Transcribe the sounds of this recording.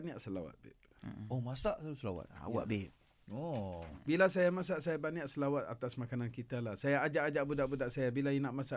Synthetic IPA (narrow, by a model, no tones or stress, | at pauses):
niaʔsəla̰wa̰t̪̚bḛp̚ | omasaʔausəlawa̰t̪̚a̰wa̰ʔbep̚ | obilasajamas̬aʔsajabaniaʔsəlawat̪a̰t̪asmakanankit̪alahsajaːd͡ʒaʔad͡ʒaʔbudaʔbudaʔsajabilainaʔmasaʔ